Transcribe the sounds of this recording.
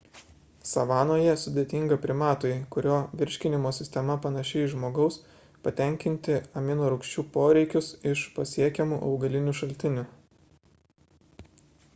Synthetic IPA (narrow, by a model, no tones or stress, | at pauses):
sɐʋɑːnoːjɛsʊd̪ʲeːt̪ʲɪŋɡɐpʲɾʲɪmɑːt̪oːjkʊɾʲoːʋʲɪɾʲʃʲkʲɪnʲɪmoːsʲɪsʲt̪ʲɛmɐpɐnɐʃʲɛɪʒmoːɡɐʊs | pɐt̪ʲɛŋʲkʲɪnʲt̪ʲɪɐmʲɪnoːɾʊkʃʲt͡ʃʲuːpoːɾʲɛɪkʲʊsɪʃpɐsʲiɛkʲɛmuːʔɒʊɡɐlʲɪnʲuːʃɐlʲt̪ʲɪnʲʊ